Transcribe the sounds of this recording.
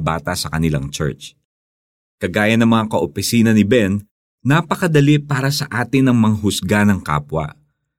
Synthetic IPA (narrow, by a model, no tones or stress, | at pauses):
ba̰ːt̪ɐsɐkɐnɪla̰ŋt͡ʃɛ̰ɹt͡ʃ | kɐɡaːjɐnɐŋmɐŋakɐʔopɪsiːnɐnɪbɛnː | apɐkɐd̪ɐlɪpaːɾɐsɐʔaːt̪ɪnɐŋmɐŋaɦʊsɡanɐŋka̰ːpwɐ̰